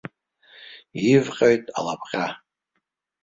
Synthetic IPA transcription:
ivqʲʼoɥtʼa̰lapʰχʲʼa

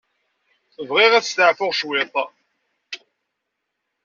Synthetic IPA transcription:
θəvʁɪʁæθst̪əʕfʊʁʃwɪt̪ˤ

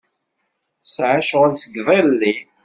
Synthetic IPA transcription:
sʕaʃʁəlsəɡðˤelːi

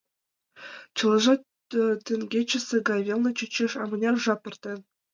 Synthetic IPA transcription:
t͡ɕɤ̆lˠɤ̆ʐɑ | t̪ʲĕŋʲɡʲet͡ɕɘ̆sʲĕɡɑjvʲelˠnɤ̆t͡ɕɘ̆t͡ɕːeʂɑmɤ̆nʲɑrʐɑpʲɘ̆rʲt̪ʲen

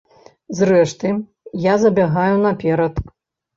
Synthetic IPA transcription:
zrɛʂt̪ɨ | jazɐbʲaɣajunɐpʲɛɾɐt̪

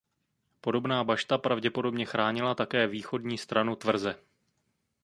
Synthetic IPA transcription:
po̞do̞bnaːbaʃt̪apɾavɟɛpo̞do̞bɲɛxɾaːɲɪlat̪akɛːviːxo̞dɲiːst̪ɾanut̪vr̩zɛ

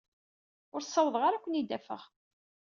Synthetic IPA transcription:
ʊɾsˤːɑwəðˤʁaɾakʷːənid̪ːæfə̰ʁ

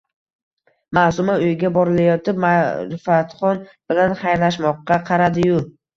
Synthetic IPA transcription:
masʊmaʊjɪɡʲabɒɾɪlajɒt̪ɪp̚maɾɪfat̪χɒnb̥ɪlanχajɾlaʃmɒqːɑqʰɑɾad̪ɪjʊ

